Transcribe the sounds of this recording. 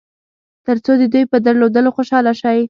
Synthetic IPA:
t̪əɾt͡sod̪əd̪ujpəd̪aɾlod̪əloxoʃɑlaʃaj

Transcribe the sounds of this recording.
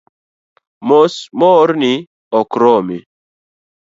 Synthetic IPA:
mosmɔɾni | ɔkɾɔme

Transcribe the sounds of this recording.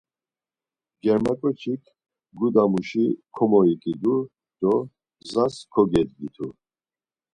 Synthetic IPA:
d͡ʒɛɾmakʼɔt͡ʃʰikʰ | ɡud̪amuʃikʰɔmɔikʼid̪u | d̪̥ɔ | zaskʰɔɡɛd̪ɡit̪ʰu

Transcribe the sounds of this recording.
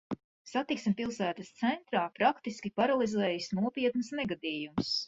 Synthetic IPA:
sat̪iksimpilˠsæːt̪əst̪sɛnt̪ɾaːpɾakt̪iskʲipaɾalˠizɛːjisnuɔpiɛt̪nɨsnɛɡad̪iːjums

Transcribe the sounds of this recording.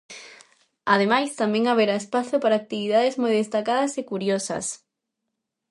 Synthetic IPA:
að̞emajst̪amẽŋaβ̞eɾaespaθopaɾaːk̚t̪iβiðaðezmojðest̪akaðɐsekuɾjosɐ̰s

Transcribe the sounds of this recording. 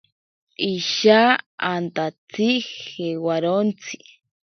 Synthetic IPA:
iʃaant̪at͡sʰixewaɾont͡sʰi̥

